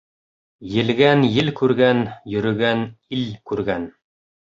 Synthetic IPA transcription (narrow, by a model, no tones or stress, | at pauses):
jɘ̆lɡænjɘlkʉɾɡænjɵ̆ɾɵ̆ɡænilkʉɾɡæn